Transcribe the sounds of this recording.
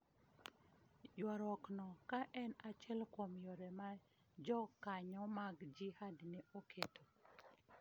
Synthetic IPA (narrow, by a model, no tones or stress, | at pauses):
jwaɾɔknɔkaʔɛnat͡ʃɛlkomjoɾɛma | d͡ʒɔkːaɲɔmaɡd͡ʒihadnɪokʰetʰo